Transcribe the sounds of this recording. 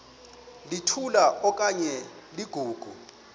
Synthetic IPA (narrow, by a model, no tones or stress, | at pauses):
litʰulaʔɔkʼaɲɛ | liɡ̥ʱuːɡ̥ʱṵ